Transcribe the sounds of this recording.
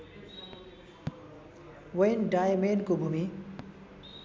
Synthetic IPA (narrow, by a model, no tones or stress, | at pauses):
wʌjnɖajmenkobʱumi